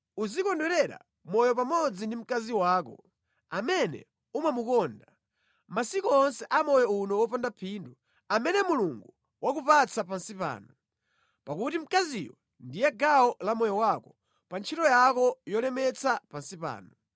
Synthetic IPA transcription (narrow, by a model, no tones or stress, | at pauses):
uzikɔndwɛɾɛɾa̰ | mɔjɔp̬amɔd͡zindim̩kaziwaːkɔ̰ | amɛnɛ̰ | umamukɔnda | masikɔːnsɛʔamɔjɔunɔwɔpandapʰindu | amɛnɛmuluŋɡu | wakupat͡sapansipa̰ːnɔ | pakutim̩kazijɔ | ndijɛɡawɔlamɔjɔwakɔ̥ | pant͡ʃʰitɔjakɔjɔlɛmɛt͡sapansipa̰ːnɔ